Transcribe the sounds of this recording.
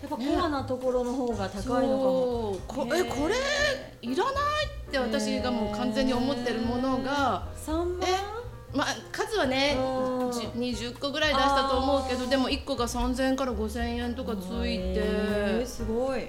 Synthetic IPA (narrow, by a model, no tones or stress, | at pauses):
japːakoanat̪o̞ko̞ɾo̞noɦoːɡat̪askai | kʰoekʰo̞ɾe̞ | iɾanait̪ːe̞β̞at̪aɕiɡamo̞ːkãnd͡zẽ̞ɲ̟ːio̞mo̞t̪ːe̞ɾɯ̟mo̞no̞ɡasãme | makazɨβane̞d͡ʑɲ̟iʑɨkːo̞ɡɯ̟ɾaid̪aɕi̥t̪at̪o̞ːmo̞ɯke̞d̪o̞d̪e̞mo̞ikːo̞ɡasãnd͡zẽ̞ŋkaɾaɡo̞sẽ̞ɰ̃ẽ̞nt̪o̞kat͡sɨit̪e̞sɨɡoi